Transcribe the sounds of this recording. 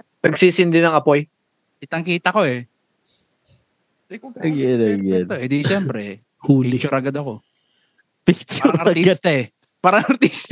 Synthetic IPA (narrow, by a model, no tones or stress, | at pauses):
p̪ɐɡsiːsɪnd̪ɪnɐŋɐpoj | ʔɪt̪ɐŋkiːt̪ɐko̞ɛ | ɡɛd̪ɐɡɛd̪oʔɛd̪iʃɛmpɾɛ | huːlɪt͡ʃʊɾɐɡɐd̪ɐko̞ | pɪkt͡ʃʊɾɐɾt̪iɡt̪ɐɛ | paɾɐŋɐɾt̪ist̪